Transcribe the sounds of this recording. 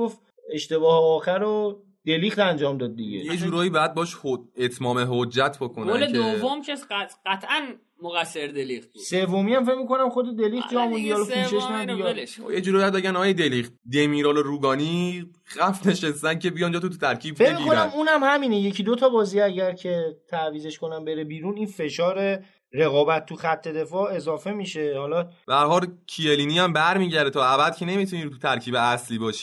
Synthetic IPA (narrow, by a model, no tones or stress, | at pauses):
of | e̞ʃt̪e̞bɒːheɒːxæɾo | d̪̥e̞liχt̪ænd͡ʒɒːmd̪ɒd̪̚ːḭɟḛjed͡ʒuːɾɒːibɛjæd̪̚bɒːʃhoet̪ʰmɒːmeɦod͡ʒːæt̪ʰbokʰonæoled̪ovomcʰesæt̪ɢæt̪ʰʔæn | moɣæsːeɾd̪elixt̪̚usevːomiæmfe̞cmiko̞næmxo̞d̪ed̪e̞lixt̪ɒmund̪ihɒlɔpʰuːʃeʃnænbijɒjed͡ʒuɾɔːjbjæd̪be̞ɡænɒːjed̪elixt̪̚d̪emiːɾɒːloɾuːɡɒːni | ɣæfne̞ʃest̪æncʰebijɒnd͡ʒɒt̪ut̪ut̪ʰæɾcʰiːbfe̞cemiiːkonæmunæmhæmiːneje̞cʰid̪ot̪ʰɒbɒːziæɟæɾcʰe̞t̪ʰæviːze̞ʃko̞næmbe̞ɾebiːɾuninfe̞ʃɒːɾe | ɾe̞ɣɒːbæt̪̚ʰːuxæt̪ʰːe̞d̪e̞fɒːe̞zɒːfe̞miːʃe̞hɒlɒb̥ææɾhɒːlcʰieliːniæmbæɾmiːɟæɾd̪et̪ʰɒːæbæd̪̥̚cʰe̞ne̞mit̪ʰunit̪ʰut̪ʰæɾcʰiːbeæsliːbɒːʃi̥